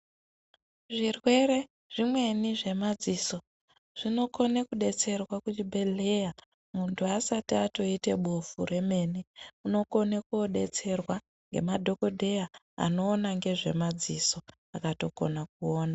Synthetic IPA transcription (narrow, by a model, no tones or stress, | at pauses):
ʐirwe̞re̞ | ʐ̥imwe̞niʐe̞mad͡ziːso̞ | ʐ̥ino̞ko̞nekuɗe̞t͡se̞rwakut͡ʃibʱe̞le̞ja | muntʰuasatiato̞ite̞ɓofure̞me̞niuno̞ko̞nekoɗe̞̰t͡se̞rwa | ŋɡe̞̰madʱo̞ko̞dʱe̞ja | a̰no̞ːnaŋɡe̞ʐe̞̰mad͡ziso̞ | akato̞ko̞̰nak̚uoːna